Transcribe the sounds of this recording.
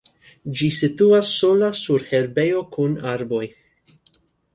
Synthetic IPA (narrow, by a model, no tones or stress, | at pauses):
d͡ʒisit̪uasːolasuɾhɛɾbejo̞kunaɾboj